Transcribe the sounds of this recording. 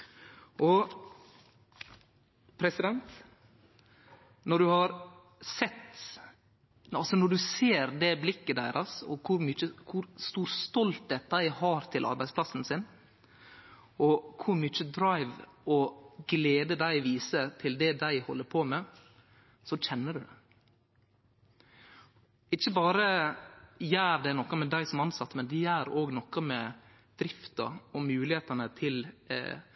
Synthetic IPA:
ʔɔ | pʰɾɛsɪd̪ɛnt̪ | nɔɖʉhɑɾ | sɛt̪ː | ɑlsɔnɔɖʉseːɾd̪ɛblɪkːəd̪æɪɾʔɑsɔ̰kʰʊɾmʏt͡ʃːəkʰʊɾst̪uːɾst̪ɔlt̪hɛːt̪̚d̪æɪhɑːɾt̪ʰɪlʔɑ̰ɾbæɪspʰlɑsn̩sɪn | ʔɔkʰʊɾmʏt͡ʃəd̪ɾɑɪʋɔɡleːd̪əd̪æɪʋiːsət̪ʰɪld̪ɛd̪æɪhɔ̰lːəɾpʰoːmɛ | sɔc͡çʰɛnːəɖʉd̪ɛ | ɪt͡ʃːəbɑːɾə | jæːɾd̪ɛnɔkːɑmɛd̪æɪsɔmɑnsɑt̪ːmɛnd̪ɛjæːɾoːɡnɔkːɑmɛ | d̪̥ɾɪft̪ɑ̰ɔmʉːlɪheːt̪ɑnət̪ʰɪl

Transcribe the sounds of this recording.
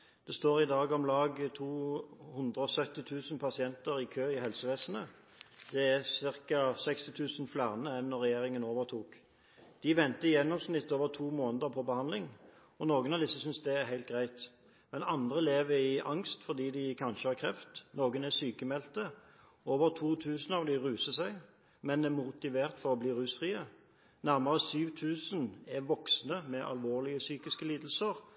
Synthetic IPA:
d̪̥ɛst̪oːʁɪd̪ɑːɡɔmlɑːɡt̪ʰuːhʊnd̪ʁəɔsœt̪ːɪt̪ʰʉːsənpʰɑsɪɛnt̪əɾɪkʰøːɪhɛlsəʋeːsənə | d̪̥ɛæsɪʁkɑsɛkst̪ɪt̪ʰʉːsənflæʁnəɛnːɔʁɛjeːʁɪŋənoːʋəʁt̪ʰuːk | d̪̥ɪʋɛnt̪əjɛnːɔmsnɪt̪ːoːʋəʁt̪ʰuːmoːnəd̪əpʰɔbəhɑnd̪lɪŋ | ɔnoːɡənɑʋd̪ɪsəsʏnsd̪ɛæʁhæɪlt̪ɡʁæɪt̪ | mɛnɑnd̪ʁəleːʋəɾɪʔɑ̰ŋst̪fɔʁd̪iːd̪ɪkʰɑnʃəhɑʁkʰɾɛft̪noːɡənæsyːkəmɛlt̪ə | oːʋəʁt̪ʰuːt̪ʰʉːsnəɑʋd̪ɪʁʉːsəsæɪ | mɛnd̪ɛmʊt̪ɪʋeːʁt̪fɔʁɔbliːʁʉːsfʁiːə | næʁməʁəsyːʋt̪ʰʉːsənæʋɔksnəmɛʔɑ̰lʋoːʁlɪəsyːkɪskəliːd̪l̩səʁ

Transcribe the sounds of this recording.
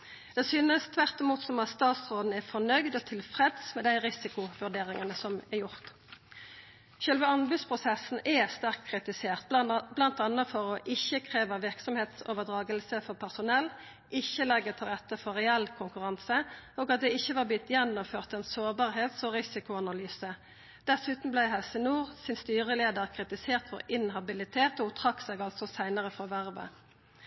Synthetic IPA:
d̪̥ɛsyːnəst̪ʰʋæʁt̪ɪmuːt̪sɔmɑt̪st̪ɑːt̪sʁoːd̪n̩æʁfɔʁnœɡd̪ɔt̪ʰɪlfʁɛd̪smɛd̪æɪʁɪsɪkʊʋʉʁɖ̪eːʁɪŋənəsɔmɛjʊʁt̪ | ɕœlʋəɑnbʉd̪spʰʁʊsɛsn̩ɛst̪æʁk̪kʰːʁɪt̪ɪseːʁt̪̚blɑnt̪ɑnːəfɔʁɔʔɪçːəkʰʁeːʋəʁʋɪʁksɔmheːt̪so̰ːʋəd̪ʁɑːɡəlsəfɔʁpʰæʁsʊnɛlː | ʔɪçːəlɛɡːət̪ʰɪlʁɛt̪ːəfɔʁɛɛlkʰʊŋkʉʁɑnsəoːɡɑt̪̚d̪ɛɪçːəʋɑːbɪt̪jɛnːʊmføːʁt̪ɛnsoːbɑːʁheːt̪sɔʁɪsɪkʊɑnɑlyːsə | d̪̥ɛsʉːt̪n̩blæɪɦɛlsənuːʁsɪnst̪yːʁəleːd̪əʁkʰʁɪt̪ɪseːʁt̪fɔ̰ʁɪnɦɑbɪlɪt̪ʰeːt̪ɔt̪ʰʁɑkseːɡɑlsɔsæɪnəʁəfɔʋæʁʋə̰

